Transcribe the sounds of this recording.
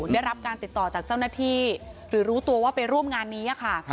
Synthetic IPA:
nda˥˩jɾa˦˥p̚kaː˧nt̪i˨˩t̪ːɔː˨˩t͡ɕaː˨˩k̚t͡ɕa˥˩wnaː˥˩t̪ʰiː˥˩ɾɯː˩˦ɾuː˦˥t̪u˧ɐwaː˥˩pa˧jɾu˥˩əmŋaː˧nːiː˦˥ʔa˨kʰa˥˩

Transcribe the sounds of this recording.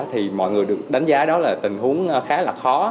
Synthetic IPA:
t̪ʰi˨˩mɔ̰˧˨jŋɨ˨˩əjɗɨ˨˩ək̚ɗa˨˦ŋ̟zaː˨˦ɗɔ˨˦laː˨˩t̪ï˨˩ŋ̟ɦu˨˦əŋ˧xaː˨˦laː˨˩k̚xɔ˨˦

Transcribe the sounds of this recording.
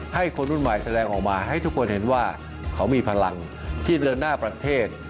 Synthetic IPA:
ha˥˩jkʰo˧nʔu˥˩nma˨˩jsa˧dɛː˧ŋʔɔː˨˩k̚maː˧ɦa˥˩jt̪ʰu˦˥kʰo˧nhe˩˦nwaː˥˩ | kʰa˦˥wmiː˧pʰa˧la˧ŋ | t̪ʰiː˥˩dɤː˧nːaː˥˩pɾa˧t̪ʰeː˥˩t̪̚

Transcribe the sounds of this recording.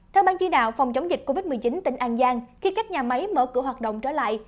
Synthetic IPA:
t̪ʰɛ˧wɓaː˧nt͡ɕi˧nɗa̰ː˧˨wfɔ˨˩wŋ͡mt͡ɕa˨˦wŋ͡mzï˨˩k̟̚ko˧vi˦˥t̚mɨ˨˩əjt͡ɕi˨˦nt̪ï˧˩˦ŋ̟ʔaː˧˩nzaː˧ŋxi˧kaː˦˥k̚ɲaː˨˩ma˨˦jmə̰ː˧˩kɨ˧˥əɦwaː˨˩t̚ɗə̰˧˨wŋ͡mt͡ɕəː˧˩la̰ː˧˨jʔ

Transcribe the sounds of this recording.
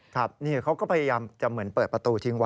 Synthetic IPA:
kʰa˦˥˩p̚niː˥˩kʰa˦˥wkɔː˥˩pʰa˧ja˧jaː˧mt͡ɕa˨˩mɯ˩˦ə˦npɤː˨˩t̪̚pɾa˧t̪uː˧t̪ʰi˦˥ŋwa˧

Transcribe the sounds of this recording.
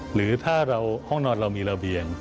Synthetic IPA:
ɾɯː˩˦t̪ʰaː˥˩ɾa˧whɔ˥˩ŋnɔː˧nɾa˧wmiː˧ɾa˧bi˨˧əŋ

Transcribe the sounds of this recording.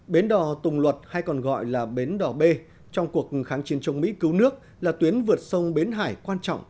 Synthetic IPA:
ɓe˨˦nɗɔ˨˩t̪ʊ˨˩ŋ͡mlwə˨˩t̚ha˧jkɔ˨˩nɣɔ̰˧˨jlaː˨˩ɓe˨˦nɗɔ˨˩ɓe˧ | t͡ɕɔ˧wŋ͡mku˨˩ək̚xaː˨˦nt͡ɕi˨˦ənt͡ɕə˨˧˦wŋ͡mmḭ˧˥kɨ˨˦wnɨ˦˥ək̚ | laː˨˩t̪wi˨˦ənvɨ˨˩ət̚sə˧wŋ͡mɓe˨˦nɦa̰ː˧˩jkwaː˧nt͡ɕɔ̰˧˨wŋ͡m

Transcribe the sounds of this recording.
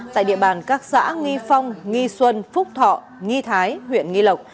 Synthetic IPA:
t̪a̰ː˧˨jɗḭ˧˨əɓaː˨˩nkaː˦˥k̚sa̰ː˧˥ŋi˧fa˧wŋ͡mŋi˧swə˧nfʊ˦˥k͡p̚t̪ʰɔ̰˧˨ | ŋi˧t̪ʰaː˨˦jhwḭ˧˨ənŋi˧lə˨˩k͡p̚

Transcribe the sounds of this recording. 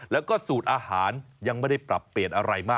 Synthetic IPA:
lɛː˦˥wkɔː˥˩suː˨˩t̪̚ʔaː˧haː˩˦nja˧ŋma˥˩jda˥˩jpɾa̰˨˩pːli˨˩ənʔa˧ɾa˧jmaː˥˩

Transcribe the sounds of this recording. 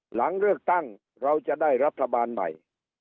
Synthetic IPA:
la˩˦ŋɾɯ˥˩ək̚t̪a˥˩ŋ | ɾa˧wt͡ɕa˨ʔdaː˥˩jɾa˦˥t̪ʰːa˧baː˧nma̰˨˩j

